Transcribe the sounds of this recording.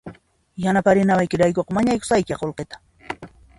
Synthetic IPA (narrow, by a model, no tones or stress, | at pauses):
janapaɾɪnawajkɪɾajkoqmaɲajkʊ̥sajkaqolqet̪ḁ